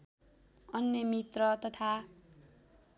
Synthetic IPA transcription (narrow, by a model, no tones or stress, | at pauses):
ʌnːemit̪rʌt̪ʌt̪ʰa